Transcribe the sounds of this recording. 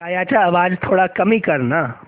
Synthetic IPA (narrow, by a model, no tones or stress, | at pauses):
aːjaːt͡ʃʰaɐʋaːd͡ʒt̪ʰoːɽakɐmikɐɾnaː